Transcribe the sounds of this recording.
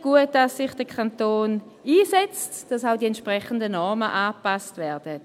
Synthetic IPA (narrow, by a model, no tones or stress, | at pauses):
ɡ̥uət̚d̥asːɪχd̥əkʰantoːn | iːsɛt͡std̥asaʊdiɛntʃpʁɛχən̩dənɔʁməʔaːpastvɛɐd̥ət